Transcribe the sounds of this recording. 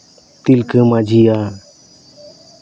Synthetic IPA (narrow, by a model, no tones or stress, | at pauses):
t̪ilkəmad͡ʒija